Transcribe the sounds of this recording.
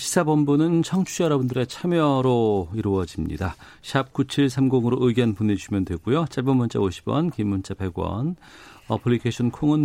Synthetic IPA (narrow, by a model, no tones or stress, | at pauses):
ɕʰi̥sʰabʌmbunɯnt͡ɕʰʌŋt͡ɕʰujʌɾʌbɯndɯɾe̞t͡ɕʰamjʌɾoiɾuʌd͡ʑimɲḭda | ɕʰap̚kut͡ɕʰiɭsʰamɡoŋɯɾoʔɯɡjʌnpone̞d͡ʑuɕʰimjʌndwe̞ɡujot͡ɕʰaɭbʌnmʌnt͡ɕ͈aoɕʰi̥bwʌ̰nkimːunt͡ɕ͈ʰape̞ɡwʌ̰nʌpʰɯɭːikʰeɕʰʌnkʰoŋɯn